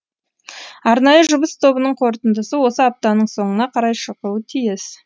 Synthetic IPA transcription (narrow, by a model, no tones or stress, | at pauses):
ɑɾnɑjəʒʊbəst̪ʰo̞bənəɴqʰo̞ɾt̪ənd̪əsəwo̞səap̚t̪ɑnəɴso̞ɴənɑqʰɑɾɑjʃəquət̪ʰijɪs